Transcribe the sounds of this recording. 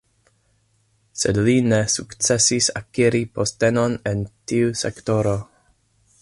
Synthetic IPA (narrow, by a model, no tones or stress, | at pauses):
sedlinesukt͡sesisa̰kiɾipostenonentiusḛkto̞ɾo